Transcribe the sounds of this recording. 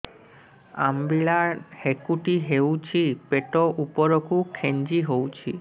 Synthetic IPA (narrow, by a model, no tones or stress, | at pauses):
a̰mbiɭahekuʈiɦewt͡ʃʰipeʈɔʔupɔɾɔkukʰend͡ʒiɦowt͡ʃʰḭ